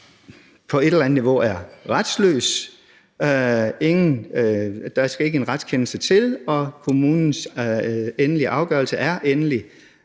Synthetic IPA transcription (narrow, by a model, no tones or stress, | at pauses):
pʰɒ̽e̝ɾ̥elæn̩niʋo̝ʔæɐʁad̥slø̰ːs | e̝ŋn̩ | d̥ɑsɡ̥æe̝ɡ̥əe̝nʁad̥skʰenl̩sət͡sʰe̝lɒ̽kʰo̝muːnn̩s | enəliʔɑ̈ʊɡ̥ɶːɐlsəʔæɐʔenəli